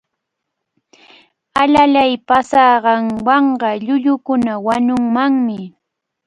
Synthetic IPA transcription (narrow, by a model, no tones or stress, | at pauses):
alalajpasɑːɢɑŋwɑɴɢɑʎʊʎʊkʊnawaɲʊŋmaŋmɪ